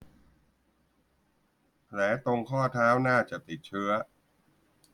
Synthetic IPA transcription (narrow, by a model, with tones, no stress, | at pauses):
pʰlɛː˩˦t̪o˧ŋkʰɔː˥˩t̪ʰaː˦˥wnaː˥˩t͡ɕa˨˩ʔt̪i˨˩t̪̚t͡ɕʰɯ˦˥ɐ